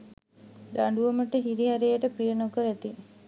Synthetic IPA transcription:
d̪aɳɖuʋəməʈəɦiɾiɦaɾejəʈəpɾijənokəɾæt̪i

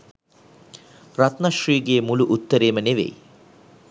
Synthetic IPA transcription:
rat̪nɐʃriːɡeːmuluʔut̪ːəɾeːməneʋḛj

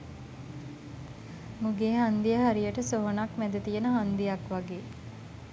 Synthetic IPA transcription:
muɡeːɦand̪ijəɦaɾijəʈəsoɦonakmæd̪ət̪ijənəɦand̪ijakʋaɡeː

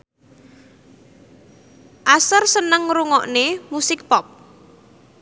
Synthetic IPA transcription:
ʔasərsənəŋɾuŋɔʔnemusɪk̚pɔp̚

